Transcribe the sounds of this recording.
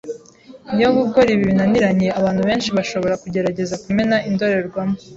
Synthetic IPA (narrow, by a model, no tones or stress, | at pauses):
nijoβuɡo̞ɾiβiβinaniɾaɲe̞aβaːn̥huβe̞ːnʃiβaʃo̞βo̞ɾakuɟe̞ɾaɟe̞zakume̞naʔindo̞ɾe̞ɾɡwamo